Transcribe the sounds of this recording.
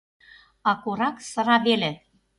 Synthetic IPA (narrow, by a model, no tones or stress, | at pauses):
ɑkuɾɑksɤ̆ɾɑβelĕ